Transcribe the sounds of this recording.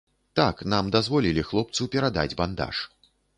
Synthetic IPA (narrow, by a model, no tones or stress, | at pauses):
t̪aknamd̪azvɔlʲilʲixlˠɔp̚t̪supʲɛɾad̪a̰d͡zʲband̪a̰ʂ